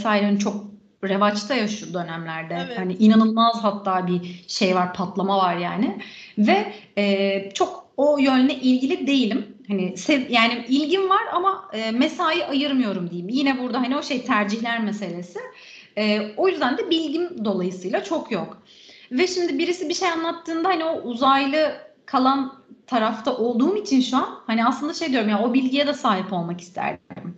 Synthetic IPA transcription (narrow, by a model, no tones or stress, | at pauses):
saːilɾant͡ʃʰo̞k̚ | ɾe̞vat͡ʃt̪ʰajaʃjud̪ø̞næmlʲæɾd̪ɛhanɪʔinanɯlˠmazɦat̪ʰːaːbiʃe̞jvaɾpʰat̪lˠamavaɾjaːnɪvɛɛːt͡ʃʰo̞ko̞jønʲːɛʔilʲɟilʲid̪e̞jilʲimhanɪsejaːnɪilʲɟinvaɾamaɯːmesaːjiʔajɯɾmɯjo̞ɾumd̪ijimjinɛbuɾd̪aɦanio̞ʃe̞jt̪ʰæɾd͡ʒiçlʲæɾmese̞lʲe̞sɪ | ɛːo̞jyzd̪ænd̪ɛbilʲɟimd̪o̞lˠajɯsɯːjlˠat͡ʃʰo̞kʰjok | vɛʃimd̪ɪbiɾisibiʃejanlˠat̪ʰːɯːnd̪ahanio̞ʔuzajlˠɯkʰalˠant̪ʰaɾaft̪ʰaʔo̞lˠd̪uːmit͡ʃʰinʃuanhaniaslˠɯnd̪aʃe̞jd̪ijoɾumjano̞bilʲɟijɛd̪ɛsaːɦipo̞lˠmaki̥st̪ʰæ̰ɾd̪m